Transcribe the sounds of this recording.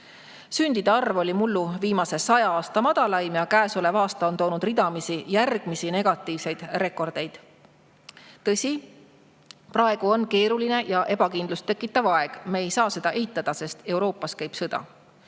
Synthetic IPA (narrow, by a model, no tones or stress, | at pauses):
synʲd̪̥id̪̥eɑrvo̞lʲimulːuviːmɑse̞sɑjɑɑːst̪ɑmɑd̪̥ɑlɑjmjɑkæːsole̞vɑːst̪ɑont̪o̞ːnud̪̥rid̪̥ɑmisijærɡ̥misine̞ɡ̥ɑt̪ˑːiːvse̞jd̪̥re̞kːo̞rd̪̥e̞jd̪̥ | t̪ɤsʲi | prɑe̞ɡ̥uo̞nke̞ːɾuline̞jɑʔe̞bɑkind̪lust̪e̞kːˑit̪ːˑɑvɑe̞ɡ̥meːjsɑːse̞d̪ɑʔe̞ɦit̪ˑːɑd̪̥ɑse̞st̪e̞uwɾo̞ːpːˑɑskæjb̥sɤd̪̥ɑ̰